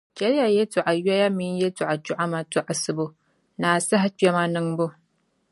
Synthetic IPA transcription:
d͡ʒʲa˦ɾja˨je˦tʊ˨ʔa˨ja˦ja˦mɪ˦n˦je˦tʊ˨ʔa˨t͡ʃʊ˦ʔa˦ma˨tʊ˨ʔa˨sɨ˨bo˦ | na˨sa˦ɦa˦t͡ʃa˦ma˦nɨ˦ŋbo˦

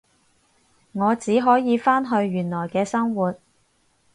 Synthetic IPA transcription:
ŋɔː˨˧t͡siː˨˥ɦɔː˨˥jiː˨˧faː˥nɦɵ˧ɥjyː˨˩nlɔː˨˩jkɛː˧sɐ˥ŋwuː˨t̚

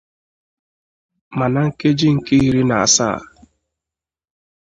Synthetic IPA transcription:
ma˨na˨ŋ̩˦ke˦d͡ʒi˦ŋ̩˨ke˦i˦ɾi˦na˨a̰˨sa̰˦˨

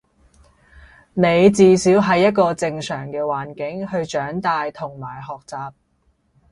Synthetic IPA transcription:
ne˨˧jt͡siː˧siː˨˥wɦɐ˨jːɐ˥t̚kɔː˧t͡sɪ˧ŋsœː˨˩ŋkɛː˧waː˨˩nkɪ˨˥ŋhɵ˧ɥt͡ʃœː˨˥ŋt̪aː˧jt̪ʰʊ˨˩ŋmaː˨˩jɦɔː˨k̚t͡saː˨p̚

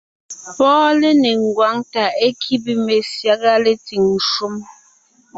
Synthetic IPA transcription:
pɔː˦le˦ne˨ŋ˨ɡwa˨˦ŋta˨e˦kʰi˦bi˦me˨sja˦ɡa˦le˦ti˨ŋ˨ʃu˦m

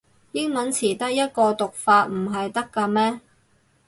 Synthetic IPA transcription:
jɪ˥ŋmɐ˨˥nt͡sʰiː˨˩t̪ɐ˥k̚jɐ˥t̚kɔː˧t̪ʊ˨k̚faː˧t̚m̩˨˩ɦɐ˨jt̪ɐ˥kːaː˧mɛː˥

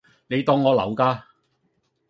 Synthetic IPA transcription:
ne˨˧jt̪ɔː˨˧ŋːɔː˨˧lɐ̰˨˩wkaː˧

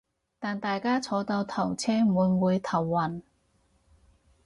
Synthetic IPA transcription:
t̪aː˨˩nt̪aː˨jkaː˥t͡sʰɔː˨˧t̪ɐ˧wt̪ʰɐ˨˩wt͡sʰɛː˥muː˨˧nwuː˨˧jt̪ʰɐ˨˩wːɐ˨˩n

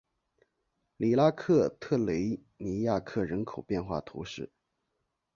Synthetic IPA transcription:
li˨˩la˥kʰɤ˥˧t̪ʰɤ˥˩le˧˥ɪ | ni˧˥ja˥˧kʰɤ˥˩ɻə˧˥nkʰo˨˩ʊpjɛ˥˧nxwa̰˥˩t̪ʰṵ˧˥ʂɻ̩˥˩

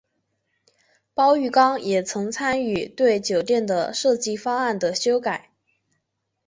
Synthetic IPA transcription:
pɑ˥ʊy˥˩kɑ˥ŋjɛ˨˩t͡sʰɤ˧˥ŋt͡sʰa˥ny˥˩t̪we˥˩ɪt͡ɕjo˨˩ʊt̪jɛ˥˩nd̪ə˩ʂɤ˥˧t͡ɕi˥˧fɑ˥ŋa˥˩nd̪ə˩ɕjo˥ʊka˨˩˦ɪ

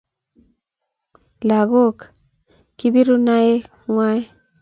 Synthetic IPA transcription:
la˨ɣo˦k | ki˦bi˦ɾu˦na˦je˦ | ŋwa˦j

